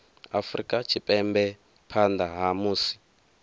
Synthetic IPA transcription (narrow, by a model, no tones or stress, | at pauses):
a̰frḭkʼat͡ʃʰipʼɛmbɛ | pʰand̪aɦamuːsi̥